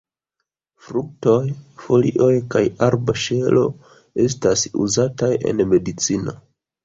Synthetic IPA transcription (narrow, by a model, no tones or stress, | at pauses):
fɾuk̚to̞jfo̞liʔo̞jkajaɾbaʃelo̞ | e̞s̬tasṵzataje̞̰nme̞dit͡sino̞̰